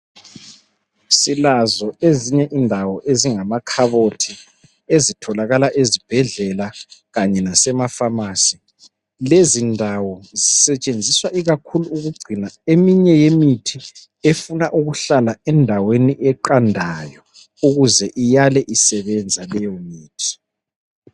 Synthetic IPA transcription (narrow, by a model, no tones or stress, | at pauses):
silazɔeziɲɛʔindʱawɔʔeziŋamakʰaβotʰi | ezitʰɔlaɣalaʔezib̥ʱɛɮɛlaɣaɲɛnasɛmafamaːsi | lezindʱawɔzisɛt͡ʃʼend͡zʱiswaʔiɣakʰuluːɣuɡ͡ǀʱinaemiɲɛjemitʰi | efunaʔuɣuɬalaɛndʱaweniʔɛǃandʱajɔ | uɣuzɛʔijalɛʔisɛβɛnd͡zʱalɛjɔmiːtʰi̥